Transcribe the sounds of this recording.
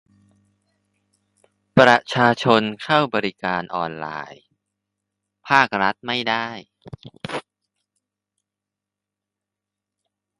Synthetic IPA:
pɾa˧t͡ɕʰaː˧t͡ɕʰo˧nkʰa˥˩wbɔː˧ɾi˦˥kaː˧nʔɔː˧nla̰ː˧j | pʰaː˥˩k̚ɾa˦˥t̪̚ma˥˩jdaː˥˩j

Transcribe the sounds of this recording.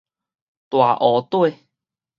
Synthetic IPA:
t̪wa˨˩ʔɔ˨˦t̪we˥˧

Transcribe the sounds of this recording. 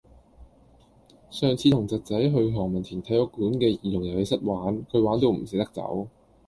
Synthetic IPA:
sœː˨ŋt͡sʰiː˧t̪ʰʊ˨˩ŋt͡sɐ˨t̚t͡sɐ˨˥jɦɵ˧ɥɦɔː˨˩ŋmɐ˨˩nt̪ʰiː˨˩nt̪ʰɐ˨˥jɔ˧˥kuː˨˥nkɛː˧jiː˨˩jʊ˨˩ŋjɐ˨˩we˨˧˥sɐ˥t̚waː˨˥nkʰɵ˨˧ɥwaː˨˥nt̪o˧wm̩˨˩sɪ˧˥k̚t̪ɐ˥k̚t͡sɐ̰˨˥w

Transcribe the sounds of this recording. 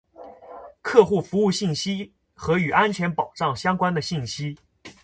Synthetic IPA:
kʰɤ˥˧xu˥˩fu˧˥u˥˧ɕi˥˩nɕi˥ | xɤ˧˥y˨˩ʔa˥nt͡ɕʰɥɛ˧˥npɑ˨˩ʊʈ͡ʂɑ˥˩ŋɕjɑ˥ŋkwa˥nd̪ə˨ɕi˥˩nɕi˥

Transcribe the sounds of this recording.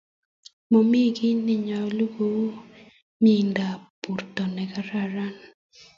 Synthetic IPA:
mo˨mi˦ɡɪ˦nɪ˦ɲɔ˨lu˦ɡo˨˦ | mi˦nda˨pu˨ɾt̪ɔ˨nɛ˨ka˦ɾa˦ɾa˦n

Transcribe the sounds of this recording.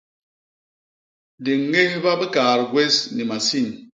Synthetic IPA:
de˨ŋː˦e˦hba˦be˦kaː˨ɾɡwe˦sni˨ma˨si˦˨n

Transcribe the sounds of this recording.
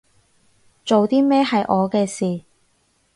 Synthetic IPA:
t͡so˨wt̪iː˥mɛː˥hɐ˨jʔɔː˨˧kɛː˧siː˨

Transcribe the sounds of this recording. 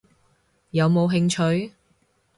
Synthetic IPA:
jɐ˨˧wmo˨˧wɦɪ˧ŋt͡ʃʰɵ˨˧ɥ

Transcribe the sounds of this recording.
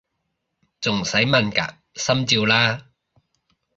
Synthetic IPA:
t͡sʊ˨˩ŋsɐ˨˥jmɐ˧˩nka̰ː˨˥ | sɐ˥mt͡siː˧wlaː˥

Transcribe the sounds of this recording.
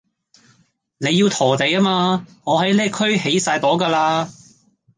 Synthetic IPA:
ne˨˧jːiː˧wt̪ʰɔː˨˩t̪e˨jaː˥maː˧ŋɔː˨˧ɦɐ˨˥jlɛː˥kʰɵ˥ɥhe˨˥jsaː˧jt̪ɔː˨˥kaː˧laː˧

